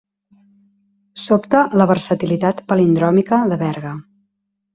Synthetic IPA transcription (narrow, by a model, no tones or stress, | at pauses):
sopt̪ələβərsət̪ilit̪at̪pəlind̪ɾɔmikəðəβɛɾɣə